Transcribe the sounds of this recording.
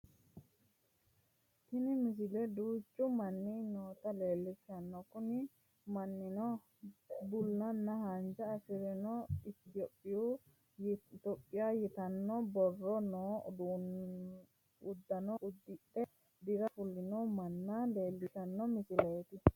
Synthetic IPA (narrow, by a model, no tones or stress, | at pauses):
t̪ɪnɪmɪs̬ɪlɛd̪uːt͡ʃːʊmɐnːinoːt̪ɐle̞ːlːɪʃɐnːɔkʊnɪ | mɐnːɪnɔ | bʊlːɐnːɐhand͡ʒɐːsɪɾɛnɔɪt̪ɔpʼːɪju | t̪ɔpʼːɪjajɛt̪ɐnːɔbɔrːɔnoː | ʊd̪ːɐnɔʔʊd̪ːɪʔɛ | d̪ɪɾɐfʊlːɪnɔmɐnːɐle̞ːlːɪʃɐnːɔmɪsɪlɐjt̪ɪ